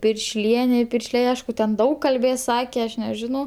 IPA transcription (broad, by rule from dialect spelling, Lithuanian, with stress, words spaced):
pʲɪrʲʃʲˈlʲiɛnʲɛ ɪ ˈpʲɪrʲʃʲlʲɛɪ ˈɐɪʃkʊ tʲɛn ˈdɐʊk kɐlʲˈbʲeːs ˈsɑːkʲɛ ˈɐʃ nʲɛˈʒʲɪnɐʊ